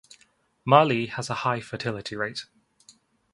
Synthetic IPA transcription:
mɑːliːəzəhaɪfətʰɪlɪtʰiɹeɪt

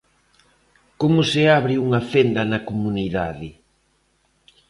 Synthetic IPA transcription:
komʊsɪaβɾɪuŋɐfend̪ɐnɐkomuniðaðɪ

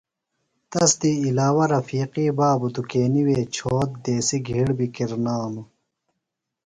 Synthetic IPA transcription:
t̪ɐsd̪iːlaːwɐɾɐfiːqiːbaːbud̪ukeːniweːt͡ɕʰoːt̪̚d̪eːsiɡʱiɽbikiɾnaːmu

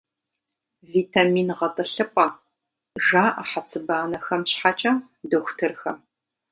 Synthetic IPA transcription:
viːtʰamiːnʁɐtʼɨɬɨpʷʼaː | ʒaːʔaħat͡sʰɨbaːnɐxɐmɕħat͡ʃʼɐ | dɐxʷʊtʰɨrxɐm

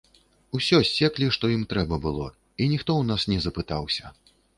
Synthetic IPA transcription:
usʲɔsʲːɛklʲiʂt̪ɔjimt̪ɾɛbɐbɨlˠɔ | inʲixt̪ɔwnasnʲɛzɐpɨt̪awsʲɐ

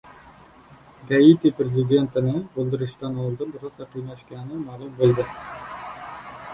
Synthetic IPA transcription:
ɡait̪ipɾezɪd̪e̞nt̪ɪnɪbolˠd̪ɪɾɪʃt̪anɒlˠd̪ɨnbɪɾɑsɑqʰijnaʃkʲanɪmalˠʊmbolˠd̪ɪ

